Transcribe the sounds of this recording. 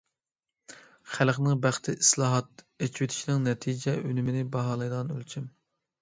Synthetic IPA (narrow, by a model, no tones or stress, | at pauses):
χælχnɨŋbæχt̪ʰɪʔislˠɑːɦɑt̪ | et͡ʃʰiwet̪ʰi̥ʃinɪŋnɛt̪ʰid͡ʒɛʔynymɪnɪbɑɦɑːlˠɑjd̪əʁɑnø̰lt͡ʃʰim